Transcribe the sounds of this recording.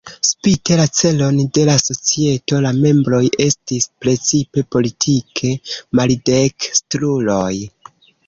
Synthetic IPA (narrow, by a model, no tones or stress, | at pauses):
spite̞lat͡se̞lo̞nde̞laso̞t͡sie̞to̞lame̞mbɾo̞je̞stispɾe̞t͡sipe̞po̞litʰikʰe̞malide̞kstɾulo̞j